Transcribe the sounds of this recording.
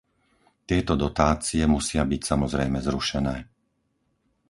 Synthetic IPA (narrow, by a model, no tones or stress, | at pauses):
t̪ɪɛt̪ɔd̪ɔt̪aːt͡siɛmusɪabicsamɔzɾɛjmɛzɾuʃɛnɛː